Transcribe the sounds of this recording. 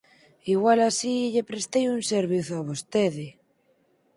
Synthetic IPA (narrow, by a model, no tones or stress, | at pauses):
iɣwalasiʎepɾest̪ejunseɾβ̞iθoaβ̞ost̪eðe